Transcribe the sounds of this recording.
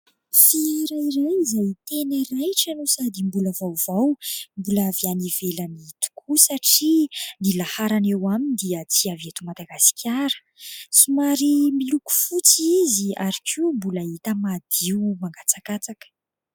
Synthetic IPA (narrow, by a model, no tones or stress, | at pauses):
fiɾajrajizajt̪eniɾajʈ͡ʂanusad̪imbuləvawv̥awmbulaavianivelənit̪u̥kʰusaʈ͡ʂinilahaɾanewamind̪iət͡siaviet̪umad̪aɡasi̥kʲʰaɾə̥ | sumaɾimiluku̥fut͡siizia̰ɾikʰumbuləit̪əmad̪̥iwmaŋɡat͡sakat͡sakə̥